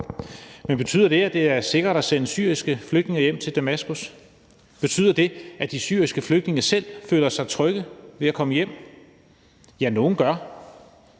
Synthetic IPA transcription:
menb̥e̝t͡sʰy̰ðˠɐd̥e̝æd̥e̝æɐse̝ɡ̥ʁɐɾ̥æsenəsy̰ɐisɡ̥əfløɡ̥d̥ne̝ŋɐjem̰t͡sʰe̝ld̥æmæsɡ̥us | b̥e̝t͡sʰy̰ðˠɐd̥e̝ʔæd̥isy̰ːɐ̰isɡ̥əfløɡ̥d̥ne̝ŋɐsel̰føːlɐsɑ̈ɪt͡sʰʁœɡ̥əʋe̝ækʰɒ̽məjem̰ | jæno̝ːn̩ɡ̥ɶɐ

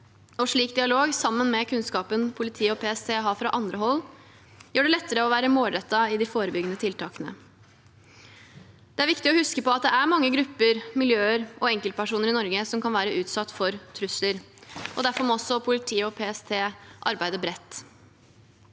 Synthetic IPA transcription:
ɔʂɭiːkd̪ɪɑloːɡsɑmːənmɛkʰʉnskɑːpənpʰʊlɪt̪ʰiːɔpʰeːɛst̪ʰeːɦɑːfɾɑʔɑnd̪ɾəɦɔlː | jøːɖɛlɛt̪ːəɾəɔʋæːɾəmoːlɾɛt̪ːɑɪd̪ɪfoːɾəbʏɡənət̪ʰɪlt̪ʰɑːkənə̰ | d̪̥ɛæɾʋɪkt̪ɪɔhʉskəpɔɑt̪̚d̪ɛæɾmɑŋːəɡɾʉpːəɾmɪljøːəɾʔɔɛŋkəl̚pæʂuːnəɾɪnɔɾɡəsɔmkʰɑnʋæːɾəʔʉːt̪sɑt̪ːfɔɾt̪ʰɾʉsləɾ | ʔɔ̰d̪æɾfɔɾmɛɔsːɔpʰʊlɪt̪ʰiːɔpʰeːɛst̪ʰeːʔɑ̰ɾbæɪd̪əbɾɛt̪ː

